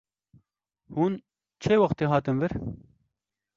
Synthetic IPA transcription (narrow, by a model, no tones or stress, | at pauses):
huːn | t͡ʃʰeːwɐxt̪eːɦɑːt̪ɨnvɨɾ